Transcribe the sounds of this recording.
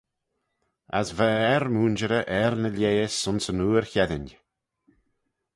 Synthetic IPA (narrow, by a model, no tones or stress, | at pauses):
a̰svəɛɾmuːnd͡ʒəɾəʔɛɾnəlʲjeːsʊnsənuːɾçɛðɪn